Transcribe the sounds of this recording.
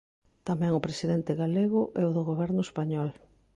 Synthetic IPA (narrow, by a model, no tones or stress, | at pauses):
t̪amɛ̃ŋʊpɾesiðɛnt̪ɪɣaleɣʊʔɛʊðʊɣoβɛɾnʊespaɲɔl